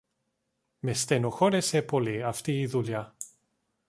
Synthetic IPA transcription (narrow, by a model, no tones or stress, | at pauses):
mest̪eno̞xo̞ɾesepo̞liɐft̪iːðuʎɐ